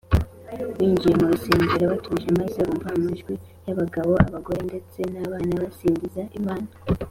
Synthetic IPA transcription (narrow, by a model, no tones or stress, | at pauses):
wiːɲd͡ʒije̞muɾuseːɲɟiɾaβatʰuʒemazoɾuɱvamaʒɡwi | jaβaɡaβo̞a̰βaɡo̞ɾe̞nde̞t͡se̞naβaːnaβasiːɲdizaʔimaːna